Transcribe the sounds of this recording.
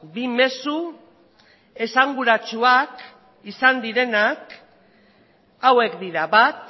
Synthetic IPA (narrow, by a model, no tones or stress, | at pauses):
bime̞su | e̞saŋɡuɾat͡ʃuak | isand̪iɾe̞nak | awe̞kd̪iɾaβat̪